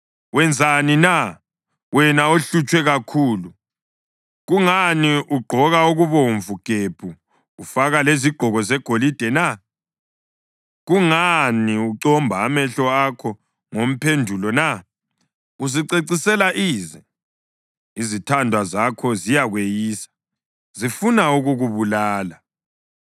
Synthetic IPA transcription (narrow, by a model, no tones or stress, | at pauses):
wɛnd͡zʱanina | wɛnaoɬut͡ʃʼwɛɣakʰuːlu | ɣuŋaniʔuɡ͡ǃʱɔɣauɣuβoɱvuɡ̥ʱepʰuː | faɣaleziɡ͡ǃʱɔɣɔzɛɡ̥ʱolid̥ʱɛna | ɣuŋaniuǀɔmbʱaːmɛɬɔakʰɔ | ŋom̩pʰendʱulɔna | uziǀeǀisɛlaʔiːzɛ | izitʰandʱwazakʰɔzijaɣwejiːsḁ | zifunauɣuɣuβulaːla